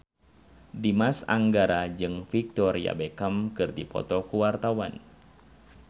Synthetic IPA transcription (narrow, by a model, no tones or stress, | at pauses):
dimasaŋɡaɾad͡ʒɨŋfik̚t̪ɔɾia̰bɛkəmkɨrdipɔ̰t̪ɔkuwart̪awan